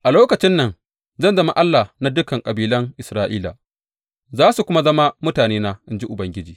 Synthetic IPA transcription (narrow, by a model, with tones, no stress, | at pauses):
ʔa˨loː˦kɐ˨t͡ʃɪ˦nːɐ˨n | zɐ˦nzɐ˦ma˦ʔa˦lːa˨na˨˦dʊ˦kɐ˨ŋkʼɐ˨biː˦lɐ˦ŋʔɪ˨sɾaː˦ʔiː˦la̰ː˨ | zaː˦su˨kʷʊ˦ma˦zɐ˦ma˦mʊ˦taː˨neː˦naː˦ʔɪ˦nd͡ʒi˦ʔʊ˨bɐ˦ŋɡʲɪ˦d͡ʒiː˨